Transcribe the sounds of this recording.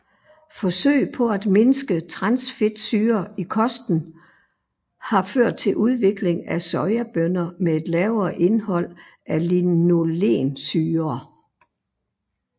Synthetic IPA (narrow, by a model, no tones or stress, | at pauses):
fɒ̽sø̰ɪ̰pʰɒ̽æd̥me̝nəsɡ̥ət͡sʰʁɑ̈nsfe̝d̥syːɐikʰɒ̽sd̥n̩ | hɑ̈føɐ̰d̥̚t͡sʰe̝lʔuð̞ˠʋe̝ɡ̥le̝ŋæsɒɪɐb̥ønɐmee̝d̥lɛʊɐːʔe̝nhɒ̽l̰ | ʔælino̝le̝̰ːnsyːɐː